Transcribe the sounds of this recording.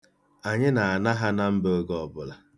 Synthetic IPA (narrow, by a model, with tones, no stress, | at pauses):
a˨ɲɪ˦na˨a˨na˦ɦa˦na˦m̩˦bo˦ɡɔ˨bʊ˨la˨